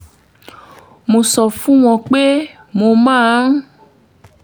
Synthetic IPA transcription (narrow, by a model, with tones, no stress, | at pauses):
mõ˨sɔ˨fũ˦w̃ɔ̃˨k͡pe˦ | mo˧mã˦˨˦